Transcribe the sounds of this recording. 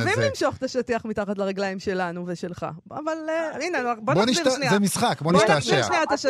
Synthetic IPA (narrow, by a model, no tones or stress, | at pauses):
veilimʃoχt̪aʃatiaχmit̪aχat̪̬laʁeɡlaimʃe̞lanuveʃe̞lχa̰avalinenbonboniʃiʃnizɛmisχakboniʃt̪aeʃniat̪aʃ